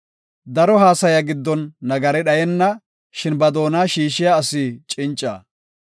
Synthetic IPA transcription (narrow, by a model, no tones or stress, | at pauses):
d̪ɐɾɔɦaːsɐjɐɡɪd̪ːɔnːɐɡɐɾɛɗɐjɛnːɐ | ʃɪnbɐd̪o̞ːnaːʃiːʃɪjaːsɪt͡ʃʼɪnt͡ʃʼːa̰ː